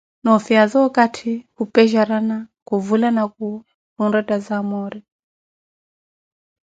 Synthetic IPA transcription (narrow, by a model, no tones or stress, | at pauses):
nɔfiazɔkatʰihupɛʒaɾanakuvulanaku | hunɾɛtʼazamɔɾi